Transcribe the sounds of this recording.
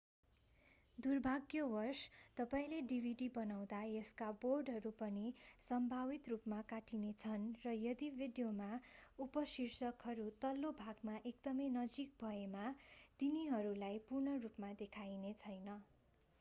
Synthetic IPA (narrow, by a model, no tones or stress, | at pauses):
d̪urbʱaɡjʌwʌrst̪ʌpaĩleɖibʱiɖibʌnaw̃d̪ajʌskaborɖɦʌɾupʌnisʌmbʱawit̪rupmakaʈinet͡sʰʌnrʌjʌd̪ibʱiɖijomaupʌsirsʌkɦʌɾut̪ʌlːobʱaɡmaʔekd̪ʌmʌjnʌd͡zik̚bʱʌemat̪iniɦʌɾulajpurɳʌrupmad̪ekʰajnet͡sʰʌjnʌ